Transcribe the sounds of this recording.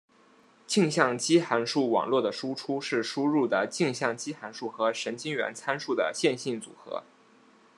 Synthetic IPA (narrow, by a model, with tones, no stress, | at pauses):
t͡ɕi˥˧ŋɕjɑ˥˩ŋt͡ɕi˥xa˧˥nʂu˥˩wɑ̰˨˩ŋlwɔ˥˩d̪ə˩ʂu˥ʈ͡ʂʰu˥ʂɻ̩˥˩ʂu˥ɻu˥˩d̪ə˩t͡ɕi˥˧ŋɕjɑ˥˩ŋt͡ɕi˥xa˧˥nʂu˥˩xɤ˧˥ʂə˧˥nt͡ɕi˥ŋɥɛ̰˧˥nt͡sʰa˥nʂu˥˩d̪ə̰˩ɕjɛ˥˧nɕi˥˩nt͡sṵ˨˩xɤ̰˧˥